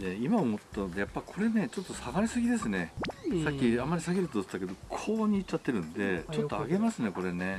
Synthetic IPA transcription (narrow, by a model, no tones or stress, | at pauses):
d̪e̞imaomottt̪ːanod̪e̞japːaɾʲikʰo̞ɾe̞ne̞t͡ɕo̞t̪ːo̞saɡaɾʲisɨɡʲid̪e̞sɨne̞sakʲːiamːaɾʲisaɡeɾɯt̪o̥t̪ːake̞d̪o̞kʰo̞ːɲ̟iːt͡ɕt͡ɕːat̪ːe̞ɾɯ̟̃nd̪e̞t͡ɕo̞t̪ːo̞aɡe̞masɨne̞ko̞ɾe̞ne̞